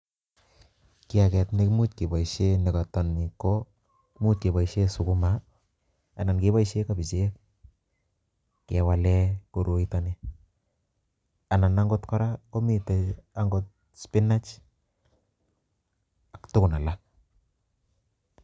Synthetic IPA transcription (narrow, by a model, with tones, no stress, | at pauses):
kɪ˦akɛ˨tne˦kmu˦t̚ke˨ba˨iʃene˨kɔtɔ˨nːi˨ko | kmu˦t̚ke˨ba˨iʃe˦su˨ku˦ma | a˨na˨nke˦ba˦iʃe˦kabi˨t͡ʃek̚ | ke˨walɛ˦ko˨ɾo˨itani | a˨na˨naŋɡɔ˦tkɔ˦ɾako˦mi˦taaŋɡɔt̚ | spi˦na˦t͡ʃ | aktʊ˦kʊ˨na˨la